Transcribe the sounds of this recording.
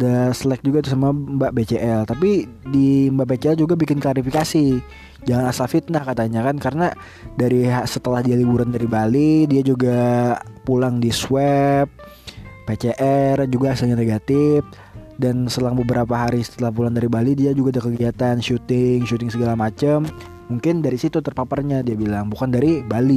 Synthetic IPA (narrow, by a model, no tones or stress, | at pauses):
daslɛk̚d͡ʒuɡat̪us̬amambaʔbet͡ʃeʔɛlt̪ap̬idimbaʔbet͡ʃeɛld͡ʒuɡabikɪnklaɾifikasi | d͡ʒaŋanasafɪt̪̚lahkat̪aɲakankaɾəna | daɾiɦasət̪əlahdialibuɾandaɾibalidiad͡ʒuɡapulaŋdiswɛp̚ː | et͡ʃeʔɛrd͡ʒuɡaːsɪlɲaneɡat̪ɪf | dansət̪əlaŋbəbəɾapaɦaɾisə̥t̪əlahpulaŋdaɾibalidiad͡ʒuɡadakəɡiat̪anʃut̪ɪŋʃut̪ɪŋsəɡalamat͡ʃəm | muŋkɪndaɾisit̪ut̪ərpaparɲadiabilaŋbukandaɾibali